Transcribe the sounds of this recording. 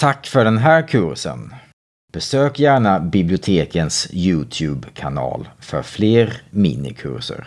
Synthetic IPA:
t̪ʰakːfœɖɛnɦæːɾkʰɵɾsə̰n | b̥ɛsøːkjæːɳabɪblɪʊt̪ʰeːkənsjʉːt̪ʰjʉːbkʰanɑ̰ːlfœ̰ɾfleːɾmḭːnɪ̰kʰɵ̰ɾʂə̰ɾ

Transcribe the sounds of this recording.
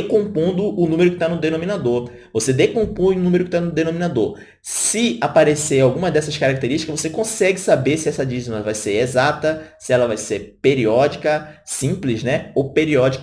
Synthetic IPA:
ekõmpõnd̪ʊʊnũmeɾʊkɪ̥t̪anʊd̪enõmĩnad̪oɾ | vosed̪ekõpõj̃ʊnũmeɾʊkɪt̪anʊd̪enõminad̪oɾ | sɪapaɾeseɾawɡũmɐd̪ɛsɐskaɾak̚t̪eɾiʃt͡ʃi̥kɐzvosekõsɛɡɪsabeɾsɪɛsɐd͡ʒiznɐvajseɾezat̪ɐsɪɛlɐvajseɾpeɾiɔd͡ʒikɐsĩplɪznɛowpeɾiɔd͡ʒik

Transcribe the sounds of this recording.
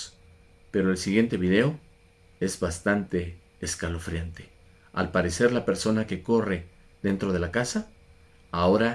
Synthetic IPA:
pe̞ɾo̞elsiɣje̞nt̪e̞βiðe̞o̞ | e̞zβast̪ant̪e̞ː | skalo̞fɾjant̪e̞ | a̰lpaɾe̞se̞ɾlape̞ɾso̞nake̞ko̞re̞ | ðe̞nt̪ɾo̞ð̞e̞lakasa | ao̞ɾa

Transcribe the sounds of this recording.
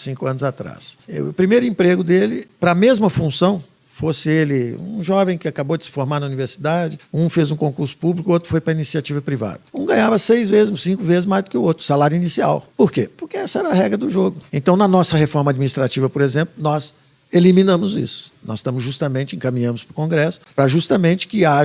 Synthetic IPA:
sĩŋkʊɐ̃nʊzat̪ɾa̰sɛ̰ʊpɾimejɾʊĩpɾeɡʊd̪elɪpɾɐːmezmɐfũsɐ̃w̃ | fosɪelɪṵ̃ʒɔvẽj̃kɪakabowd͡ʒɪsɪ̥foɾmaɾnɐuniveɾsid̪ad͡ʒɪũfezũkõkuɾsʊ̥publikʊot̪ɾʊ̥fojpɾɐinisiat͡ʃivɐpɾiva̰d̪ɐũɡɐ̃ɲavɐsejzvezɪzsĩŋkʊvezɪzmajzd̪ʊkɪʊot̪ɾʊ̥salaɾjuinisia̰wpoɾkepʊɾkɪɛsɐɛɾɐɦɛɡɾɐd̪ʊʒoɡʊẽnt̪ɐ̃w̃nɐnɔsɐɦefɔɾmɐad͡ʒminist̪ɾat͡ʃivɐpoɾezẽmplʊnɔz | elimĩnɐ̃mʊzḭsʊ̥nɔ̰zsʃt̪ɐ̃mʊzʒust̪ɐmẽnt͡ʃɪẽkɐmĩɲɐ̃mʊspɾʊkõɡɾɛsʊ̥pɾɐʒust̪ɐmẽnt͡ʃɪ̥kɪaʒ

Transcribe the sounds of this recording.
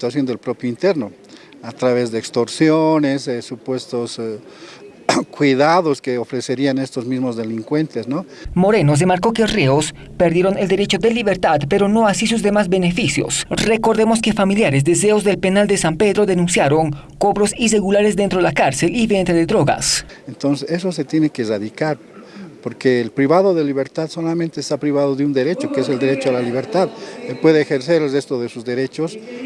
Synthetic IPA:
it̪wasjo̞nd̪elpɾopjoint̪eɾno | at̪ɾaβezðeːkst̪oɾsjonesesupwe̞st̪os | kwiðaðoskeofɾeseɾianest̪ozmizmozðeliŋkwe̞nt̪esnomo̞ɾe̞noz̬e̞maɾko̞kereos | peɾðjeɾo̞ne̞ld̪e̞ɾe̞t͡ʃo̞ðeliβe̞ɾt̪ad̪pe̞ɾo̞no̞asisuzðe̞mazbe̞nefisjo̞̰sre̞ko̞ɾðemo̞ske̞familjaɾezd̪e̞se̞ozðe̞lpe̞nald̪e̞sampe̞ðɾo̞ðe̞nũnsjaɾo̞ŋ | ko̞βɾo̞sire̞ɣulaɾezd̪ent̪ɾoelakaɾse̞liβent̪ɾaðeðɾoɣa̰s | ent̪onsesesose̞t̪jenekeːraðikaɾ | poɾkeːlpɾiβaðoðeliβeɾt̪aðso̞lamẽnt̪est̪apɾiβaðoðeund̪eɾe̞t͡ʃokees̬eld̪eɾet͡ʃoalaliβeɾt̪aðepwe̞ðeːxeɾseɾelrest̪oðesuzd̪eɾe̞t͡ʃos

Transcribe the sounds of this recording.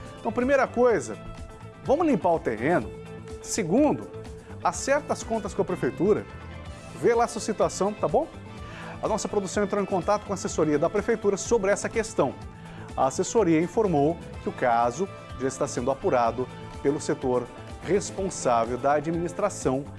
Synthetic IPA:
ẽt̪ɐ̃w̃pɾimejɾɐkojzɐ | vɐ̃mʊzlĩmpaɾʊt̪ehẽnʊ | seɡũnd̪ʊ | asɛɾt̪ɐskõnt̪ɐskõɐpɾefejt̪uɾɐ̰ | velasuɐsit̪uasɐ̃w̃t̪abõw̃ | ɐnɔsɐpɾod̪usɐ̃w̃ẽnt̪ɾõwẽkõnt̪at̪ʊkõɐasesoɾiɐd̪ɐpɾefejt̪uɾɐsobɾɪɛsɐkest̪ɐ̃w̃ | ɐ̰asesoɾiɐĩfoɾmow | kɪʊkazʊ | ʒaɪst̪asẽnd̪ʊapuɾad̪ʊ | pelʊset̪oɾ | hespõsavewd̪ɐad͡ʒiminist̪ɾasɐ̃w̃

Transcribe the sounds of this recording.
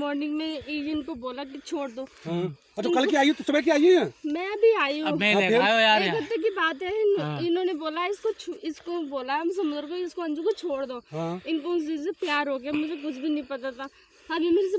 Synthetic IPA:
mɔːɾnɪ̃ŋɡmẽiɪnkoboːlak̬it͡ʃʰoːɽd̪oːɦã | ɐt͡ʃʰakɐlkiaːiɛ̃t̪osʊbɛk̬iaːieɦɛ̃ːmɛ̃ɐbʱiaːjũɦãeɾekɐt̪ːek̬ibaːt̪ɦɛɪnɪnõːneboːlaɪskot͡ʃʰɪskoboːlaɦmsɐmd͡ʒɾokoɪskoɐ̃nd͡ʒõkot͡ʃʰoːɽd̪oːɦãɪnkoʊs̬isepjaːɾɦoːk̬eɛmʊd͡ʒʱek̬ʊt͡ʃʰbʱinɐɦĩpɐt̪at̪aː | ɦɐɾemeːɾɪs̬e

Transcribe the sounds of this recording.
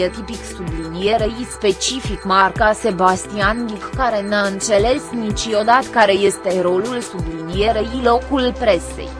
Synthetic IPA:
et̪ipiksublinijeɾejispe̞t͡ʃifikmarkase̞bast̪ianlikkaɾe̞naɨnt̪se̞le̞snit͡ʃio̞d̪at̪kaɾe̞je̞st̪e̞ɾo̞lulsublinijeɾeilo̞kulpɾe̞sḛj

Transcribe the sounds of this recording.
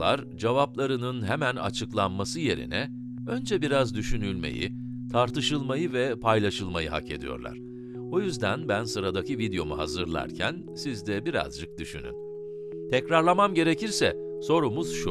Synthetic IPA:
aɾ | d͡ʒevaplˠaɾɯnɯnɦemæna̰t͡ʃʰɯklˠanmasɯje̞ɾḭnɛ | ø̞nd͡ʒɛbiɾazd̪yʃynylʲmḛjḭ | t̪ʰaɾt̪ɯʃɯlˠmajɯvɛpʰajlʲˠaʃɯlˠmajɯɦa̰ke̞̰d̪ḭjo̞̰ɾlˠa̰ɾ̥ | o̞jyzd̪ænbænsɯɾad̪acivid̪jo̞muɦa̰zɯɾlˠa̰ɾcʰæn | sizd̪ɛbiɾa̰zd͡ʒɯk̚d̪yʃyny̰n | t̪ʰɛcɾaɾlˠamamɟe̞ɾe̞ciɾsɛ | so̞ɾumuz̥ʃu

